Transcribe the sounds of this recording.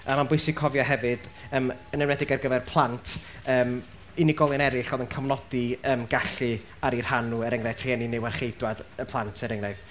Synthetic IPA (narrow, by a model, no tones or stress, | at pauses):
amanbʊɨsɪkʰɔvjɔɦɛvɨd̥əːmənɛwnɛdɪɡarɡəvɛrpʰlˠantʰ | əːm | iniɡɔlˠɨnɛɾɪɬɔːðənkʰəmnɔd̥iəmɡaɬɨ | aɾir̥hanuɛɾɪŋrḁtʰriɛninɪwarχejdwadəpʰlˠantʰəɾɪŋrajð